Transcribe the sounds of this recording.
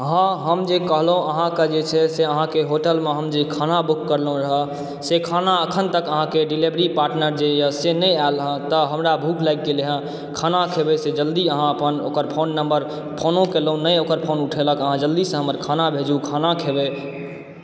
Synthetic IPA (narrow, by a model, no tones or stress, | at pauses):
əɦãɦəmd͡ʒekəɦlɦũəɦãked͡ʒet͡ʃʰɛseəɦãkeɦoʈəlmeɦəmd͡ʒekʰanabukːəɾlɦũɾəɦə | sekʰanaəkʰənt̪əkəɦãkeɖilebɾipaɾʈnəɾd͡ʒejəsenəalɦə̃t̪əɦəmɾabʱukʰlajkːeleɦə̃ | kʰanakʰebesed͡ʒəld̪iəɦãəpəno̰kəɾpʰonːəmbəɾ | pʰonõkelɦũnəjokəɾpʰonuʈʰeləkəɦãd͡ʒəld̪isə̃ɦəməɾkʰanabʱed͡ʒukʰanakʰebe